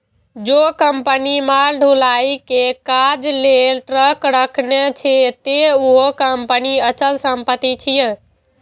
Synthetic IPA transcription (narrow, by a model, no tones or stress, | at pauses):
d͡ʒokəmpənimaɾɖʱulaikekad͡ʒlelʈɾəkɾəkʰnet͡ʃʰet̪euɦokəmpəniət͡ʃəlsəmpət̪ːit͡ʃʰijẽ